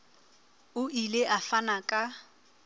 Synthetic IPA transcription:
ʊʔileʔafanakʼa

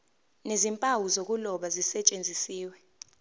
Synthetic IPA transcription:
nezimpʼawuzok̬ʼulɔɓazisɛt͡ʃʼend͡zʱisiːwɛ

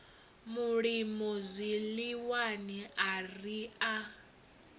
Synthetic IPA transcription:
muɺimɔzʷiliwaniaria

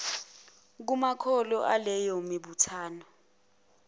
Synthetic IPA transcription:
k̬umakʰɔlɔʔalɛjomiɓutʰaːnɔ

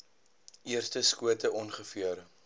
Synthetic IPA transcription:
iərstəskuətəʔɔnχəfiəɾə

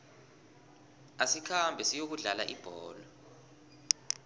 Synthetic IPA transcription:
asikʰambʱɛsijok̬uɮala̰ʔib̥ʱɔːlɔ

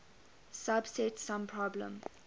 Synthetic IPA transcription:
sabsɛtsãmpʰɹɔblə̰̃m

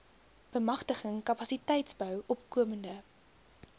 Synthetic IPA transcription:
b̥əmɐχtəχəŋkɐpɐsitɛjtsbœwʔɔpkuəməndə

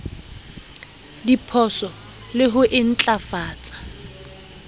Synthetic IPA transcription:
dipʰɔsɔ | lɪɦʊʔɪn̩t͡ɬʼafaːt͡sʼḁ

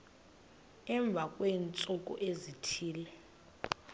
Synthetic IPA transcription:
ɛɱb̪vʱakʼweːnt͡sʼukʼṵʔezitʰiːlɛ

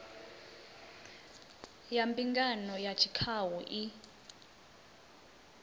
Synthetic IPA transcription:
jambiŋɡanɔjat͡ʃʰi̥kʰawuʔi

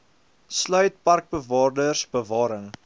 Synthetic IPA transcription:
slœɥt̚pɐrk̚bəvɑːrdərsbəvɑːɾəŋ

